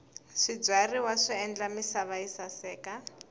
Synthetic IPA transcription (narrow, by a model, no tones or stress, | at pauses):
ʂid͡zʷariwaʂiɛnd͡ɮamisaβaisasɛːka